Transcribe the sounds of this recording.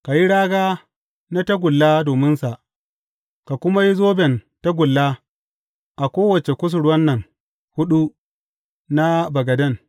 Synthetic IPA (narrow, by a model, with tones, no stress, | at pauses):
ka˨ji˦ɽaː˦ɡaː˦ | na˦ta˦ɡʷʊ˨lːaː˦doː˨mɪ˦nsa˨ʔ | ka˨kʷʊ˦ma˦ji˦zoː˦bɛ˨nta˦ɡʷʊ˨lːaː˦ | ʔa˨kʷoː˦wɐ˨t͡ʃe˨kʷʊ˦s̬ʊ˨ɽwɐ˦nːɐ˨ŋ | hʊ˦ɗu˦ | na˦bɐ˨ɡɐ˨dɐ˦˨ŋ